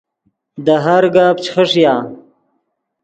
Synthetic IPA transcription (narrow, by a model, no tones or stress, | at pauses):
d̪əɦaɾɡaːb̚t͡ʃxəʂjaː